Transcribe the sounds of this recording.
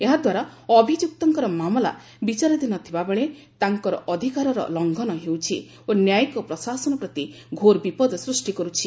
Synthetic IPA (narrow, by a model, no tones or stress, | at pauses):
eɦad̪waɾaɔbʱid͡ʒjuk̚t̪ɔŋkɔɾɔmamɔla̰ | bit͡ʃaɾɔd̪inɔt̪ʰibabeɭe | t̪aŋkɔɾɔ̰ʔɔd̪ʱikaɾɔɾɔ̰lɔŋɡʱɔnɔɦewt͡ʃʰḭ | onjajkɔpɾɔsasɔnɔpɾɔt̪i | ɡʱoɾbipɔd̪ɔsɾusʈikɔɾut͡ʃʰi